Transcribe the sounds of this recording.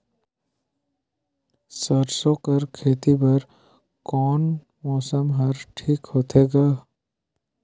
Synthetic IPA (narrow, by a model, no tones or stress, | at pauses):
səɾsõːkɐɾkʰeːt̪ibɐɾ | kɔːn | mɔːsəmɦɐɾʈʰiːkhoːt̪ʰeːɡaː